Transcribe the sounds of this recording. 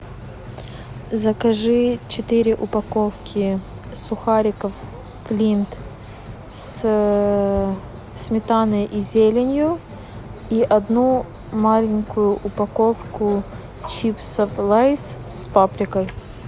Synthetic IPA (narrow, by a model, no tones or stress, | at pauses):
zəkɐʐɨt͡ɕɪt̪ɨɾʲɪʔʊpɐkofkʲʰɪ | sʊxaɾʲɪkəfː | lʲint̪ | s | smʲɪt̪anɨʔizʲelʲɪnʲjʊ | iʔɐd̪nu | malʲɪŋʲkʊjʊʔʊpɐkofkʊ | t͡ɕipsəflˠajsspapɾʲɪkəj